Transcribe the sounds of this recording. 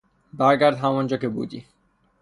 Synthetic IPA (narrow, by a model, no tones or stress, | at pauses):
d̪aɾɡaɾd̪ɦamɔnd͡ʑokebṵd͡ʑḭ